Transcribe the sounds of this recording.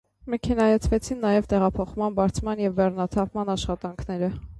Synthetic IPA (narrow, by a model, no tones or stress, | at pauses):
mɛkʰɛnɑjɛt͡sʰvɛt͡sʰinːɑjɛvt̪ɛʁɑpʰɔχmɑnbɑɾt͡sʰmɑnjɛvːɛrnɑt̪ʰɑpmɑnɑʃχɑt̪ɑŋkʰnɛɾə